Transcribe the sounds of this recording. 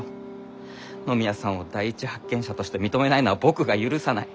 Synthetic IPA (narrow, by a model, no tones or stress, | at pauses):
no̞mʲiasãɰ̃od̪aiit͡ɕihakːẽ̞ɕat̪o̞ɕi̥t̪e̞mʲit̪o̞me̞nainoβabo̞kɯ̟ɡajɯ̟ɾɯ̟sanai